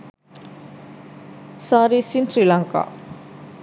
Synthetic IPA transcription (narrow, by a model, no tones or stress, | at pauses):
saɾisinsrilaŋka̰